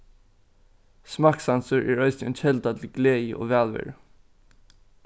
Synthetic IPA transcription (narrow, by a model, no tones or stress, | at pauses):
smɑːksansʊɹʔɛɹœʏsnɔnçʰɛlt̪at̪ʰɪlɡleːjəʔo̰ːʋæːlʋɛ̰ːɹ